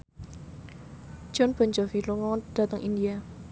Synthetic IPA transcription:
d̥ʒ̥ɔnb̥ɔɲd͡ʒɔfiluŋɔd̥a̤t̪əŋʔindia

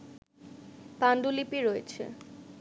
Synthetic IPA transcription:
panɖulipiɾoet͡ɕʰḛ

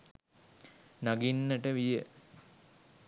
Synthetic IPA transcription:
naɡinːəʈəʋijə

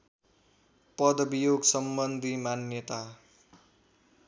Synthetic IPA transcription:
pʌd̪ʌbijoɡsʌmbʌnd̪ʱimanjʌt̪a

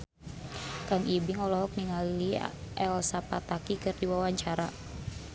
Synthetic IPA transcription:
kaŋibɪŋɔlɔɦɔk̚niŋalliɛlsapat̪akikɨrdiwawaɲt͡ʃaɾa

